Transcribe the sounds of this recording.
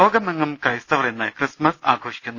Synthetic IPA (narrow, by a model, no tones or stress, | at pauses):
oːɡɐmeŋːɐmkɐjst̪ɐʋɐrenːɐjkrɨsmɐsaːɡʱoːʂi̥kʲːunː